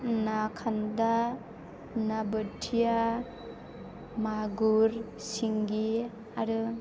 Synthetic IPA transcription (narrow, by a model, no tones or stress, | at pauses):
nakʰanda | nabətʰija | maɡuɾ | siŋɡi | aɾɯ